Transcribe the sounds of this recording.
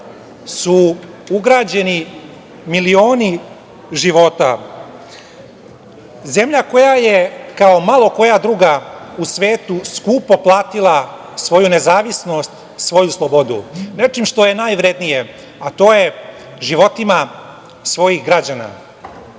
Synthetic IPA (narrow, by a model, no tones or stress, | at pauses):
su | uɡɾaːd͡ʑe̞ni | milio̞ːni | ʒiʋo̞t̪a̰ | ze̞mʎako̞jajekao̞malˠo̞ko̞jad̪ɾuːɡausʋe̞ːt̪uskuːpo̞plˠaːt̪ilˠa | sʋo̞junezaːʋisno̞st̪ | sʋo̞juslˠobo̞d̪ṵne̞t͡ʂimʂt̪o̞jenaːjʋɾe̞d̪nije | at̪o̞ːje̞ | ʒiʋo̞t̪ima | sʋo̞jixɡɾad͡ʑana̰